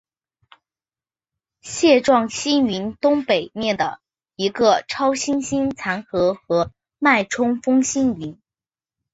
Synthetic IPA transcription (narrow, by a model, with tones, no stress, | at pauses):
ɕjɛ˥˧ʈ͡ʂwɑ˥˩ŋɕi˥ny˧˥nt̪ʊ˥ŋpe˨˩ɪmjɛ˥˩nd̪ə˩ | i˧˥ɡə˧ʈ͡ʂʰɑ˥ʊɕi˥nɕi˥nt͡sʰa˧˥nxɤ˧˥xɤ˧˥ | ma˥˩ɪʈ͡ʂʰʊ˥ŋfɤ˥ŋɕi˥ny˧˥n